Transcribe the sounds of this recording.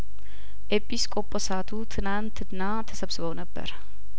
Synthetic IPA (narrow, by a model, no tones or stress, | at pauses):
ʔepʰʼiskʼo̞pʼosat̪ʰut̪ʰɨnant̪ʰɨnːat̪ʰəsəβsɨβəwnəbːə̰ɾ